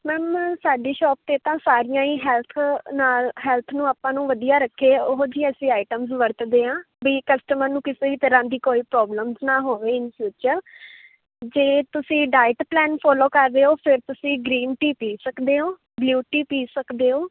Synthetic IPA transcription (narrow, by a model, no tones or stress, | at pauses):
mɛ̃ːmsaːɖiːʃɔːp̚t̪eːt̪ãːsaːɾɪjãːĩːɦɛːlt̪ʰnaːlɦɛːlt̪ʰnũːaːpãːnũːʋəd̪ijaːɾəkʰːeːʊɦd͡ʒiːəsĩːaːɪʈəmzʋəɾt̪d̪eːãː | biːkəsʈəməɾnũːkɪseːʋiːt̪əɾãːd̪iːkoːiːpɾɔːbləmznaːɦoːʋeːɪnsut͡ʃəl | d͡ʒeːt̪ʊsĩːɖaːɪʈplɛːnpʰɔːloːkəɾːeːoːpʰɪɾt̪ʊsĩːɡɾiːnʈiːpiːsəkd̪eːɦoː | bljuːʈiːpiːsəkd̪eːɦoː